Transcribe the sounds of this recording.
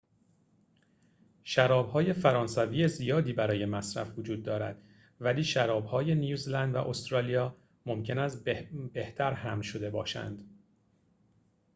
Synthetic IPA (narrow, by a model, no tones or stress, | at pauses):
ʃæɾɒːbhɒːje̞fæɾɒːnsæviːjezijɒːd̪iːbæɾɒːje̞mæsɾæ̰fvod͡ʒuːd̪̚ːɒːɾæ̰d̪̥ | væliːʃæɾɒːb̥hɒːje̞nijuːzilænd̪væ̰ʔo̞st̪ɾɒːlijɒː | mo̞mcʰe̞næst̪be̞ht̪ʰæɾhæmnʃo̞d̪e̞bɒ̰ːʃæ̰nd̪̥